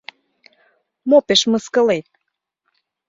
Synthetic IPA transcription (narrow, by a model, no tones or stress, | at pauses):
mopeʃməskə̆let̪̚